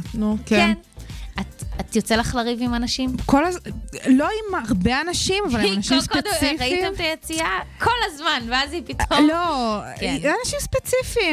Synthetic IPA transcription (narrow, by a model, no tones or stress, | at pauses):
nukenn | at̪at̪jot͡selaχlaʁivimanaʃimkolazlo̞imaʁbeanaʃimavvalnaʃimsked̪fʁaitemt̪ajet͡siakʰo̞lazmanveazipitomlokeianaʃimspet͡sifi